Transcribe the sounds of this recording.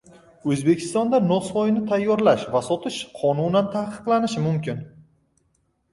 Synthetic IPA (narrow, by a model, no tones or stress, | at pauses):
ɵzbe̞kʲʰɪ̥st̪ɒnd̪anɒsvɒjɪnɪt̪ʰajːɒɾlaʃvasɒt̪ʰɪʃqʰɒnunant̪ʰahqʰɨ̥qlˠanɪʃɪmʊmkʲʰɪn